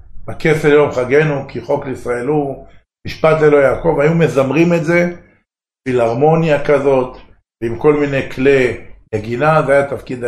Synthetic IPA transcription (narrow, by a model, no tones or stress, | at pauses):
bakeseljomχaɡe̞nukiχo̞kleisʁaelu | miʃpat̪lelojaːko̞vajume̞zamʁime̞tze̞ | filaʁmo̞njakazo̞t̪ | veimko̞lmine̞kleneɡinazeajat̪afkid̪